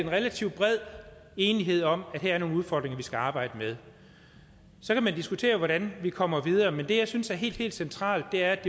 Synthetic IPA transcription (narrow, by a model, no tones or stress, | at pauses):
enʁɛlæt͡sʰiʊ̥b̥ʁɛð̰ˠe̝ːniɦe̝ð̰ˠɒ̽mæd̥ɦeæɐɐno̝ːnuð̞ˠfɒ̰ːd̥ʁeŋɐʋisɡ̥æɑ̈ːb̥ɑ̈ɪ̰d̥əmeð̞ˠ | sɒ̽kʰæmænd̥isɡ̥ut͡sʰe̝̰ːɐʋɒɾænʋikʰɒ̽m̰ɐʋið̞ˠɐːmend̥e̝jɑ̈ɪsynsæɐɦe̝̰ːld̥e̝̰ːld̥sent͡sʰʁɑ̰̈ːld̥ːe̝æɐd̥e̝